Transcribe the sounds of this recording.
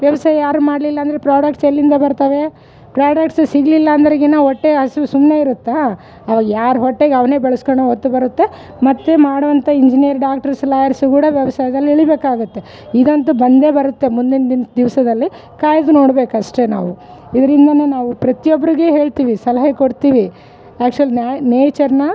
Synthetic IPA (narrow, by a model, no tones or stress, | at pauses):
ʋjɐʋɐsaːjɐjaːɾumaːɖlilːɐːnd̪ɐɾepɾaːɽɐk̚ʈselːind̪ɐbɐɾt̪aːʋe̞ | pɾaːɖɐk̚ʈssiɡlilːɐːnd̪ɐɾiɡenaɦɔʈːeɦɐsiʋusumne̞iɾut̪ːa | ɐʋaːɡɐjaːɾuɦɔʈːeɡɐʋɐne̞ːbɐɭɐskoɳɖoot̪ːubɐɾut̪ːe̞ | mɐt̪ːemaːɽʋɐnt̪ɐiɲd͡ʒinijɐɾɖaːk̚ʈɐɾslaːjɐɾsukuːɽɐʋjɐʋɐsaːjɐd̪ɐlːiiɭibe̞ːkaːɡut̪ːe̞ | id̪ɐnt̪ubɐnd̪e̞ːbɐɾut̪ːe̞mund̪ind̪ind̪iʋsɐd̪ɐlːi | kaːjɐd̪unoːɽbe̞ːkɐʂʈe̞na̰ːʋuid̪ɐɾind̪ɐnenaːʋupɾɐt̪ijobːɐɾiɡeɦe̞ːɭt̪iːʋisɐlɐɦɐkoɽt̪iːʋi | aːk̚t͡ʃuɐlineːt͡ʃɐɾnɐ